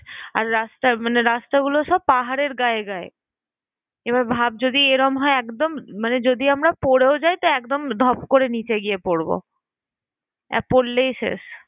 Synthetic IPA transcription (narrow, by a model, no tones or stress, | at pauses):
a̰ɾːast̪amaneɾast̪aɡuloʃɔb̚paɦaɾeɾɡaeɡae | ebaɾbʱab̚d͡ʑod̪ieɾɔmɦɔeɛkd̪omːaned͡ʑod̪ʱiamɾapoɾeod͡ʑajt̪oɛkd̪omd̪ʱɔbkoɾenit͡ɕeɡiepoɾbo̰ | ɛ̰polːejʃḛʃ